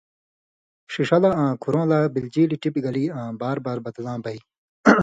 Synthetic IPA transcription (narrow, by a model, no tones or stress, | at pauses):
ʂiʂɐlaãːkʰuɾõːlaːbild͡ʑiːliʈipɡɐliːãːbaːɾbaːɾbɐd̪lãːbɐi